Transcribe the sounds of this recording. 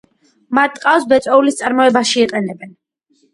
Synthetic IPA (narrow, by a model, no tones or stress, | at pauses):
mat̪̚ʰːʼqʼafsbɛt̪sʼɔulist̪sʼaɾmɔɛbaʃiːqʼɛnɛbɛn